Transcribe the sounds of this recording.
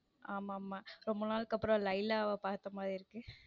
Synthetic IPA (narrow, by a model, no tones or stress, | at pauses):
aːmaːmaːɾɔmbɐnaːlɯkːɐpːɯɾɔ̃lɐɪlaːʋɐpaːɾt̪ːɐmaːðɾɪɪɾɯkːɯ